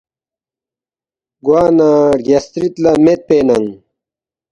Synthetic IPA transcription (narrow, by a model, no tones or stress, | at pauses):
ɡwaːnaɡɐst̪ɾit̪lɐmet̪̚peːnɐŋ